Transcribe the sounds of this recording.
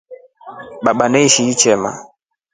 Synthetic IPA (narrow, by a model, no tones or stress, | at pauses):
ɓaɓanɛiʃiit͡ʃɛma̰